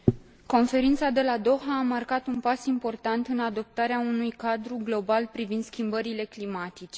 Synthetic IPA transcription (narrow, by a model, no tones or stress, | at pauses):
ko̞nfe̞ɾint̪sad̪e̞lad̪o̞ɦaːmarkat̪unpasimpo̞rt̪ant̪ɨnad̪o̞p̚t̪aɾeaunujkad̪ɾuɡlo̞balpɾivind̪skʲimbəɾile̞klimat̪it͡ʃe̥